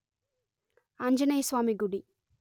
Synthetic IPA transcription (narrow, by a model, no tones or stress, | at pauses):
ɐɲd͡ʒɐnɐjsʋaːmiɡuɽi